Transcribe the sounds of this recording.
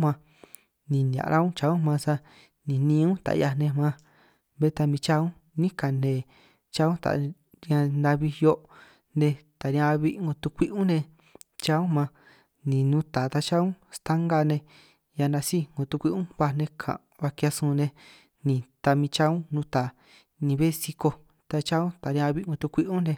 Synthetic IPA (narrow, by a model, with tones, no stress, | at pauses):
mã˧ | nĩ˨njã̰˨˧ɾʔa˦ũ˦t͡ʃa˧ũ˦mã˧sa˧ | nĩ˨nĩ˧ũ˦t̪a̰˨˧ja˧nẽ˧mã˧ | βe˦t̪a˧mĩ˧t͡ʃa˦˧ũ˦ | nĩ˦ka˨nẽ˨ | t͡ʃa˧˦ũ˦t̪a̰˨˧ | ɾã˧nã˧βi˧jo˧˦ʔ | nẽ˧t̪a˨ɾĩ˧ã˧βi˧ŋɡo˧t̪u˧kʷi˦ʔũ˦nẽ˧ | t͡ʃa˧ũ˦mã˧ | nĩ˨nũ˧˦t̪aː˨t̪a˧t͡ʃa˦ũ˦st̪a˦ŋɡa˧nẽ˧ | ja˧nã˧si˦ŋɡõ˨t̪u˧kʷi˦˧ʔũ˦βa˧nẽ˧kʰã̰˨ | βa˧kja˧sũ˧nẽ˧ | nĩ˨t̪a˧mĩ˧t͡ʃa˦ũ˦nũ˧˦t̪aː˨ | nĩ˧βe˦si˧ko˧ | t̪a˧t͡ʃa˦ũ˦t̪a˨ɾj̃ã˧βi˧ɡõ˧t̪u˧kʷi˦ʔũ˦nẽ˧